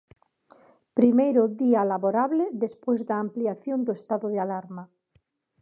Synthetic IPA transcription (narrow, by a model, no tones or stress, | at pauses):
pɾimejɾoðialaβoɾaβleðespwezðaːmpliaθjond̪oest̪aðoðealaɾma